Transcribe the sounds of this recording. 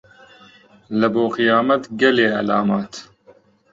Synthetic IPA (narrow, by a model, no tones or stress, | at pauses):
ləboːqɨjɑːmɐt̪ɡɛleːælaːmɑːt̪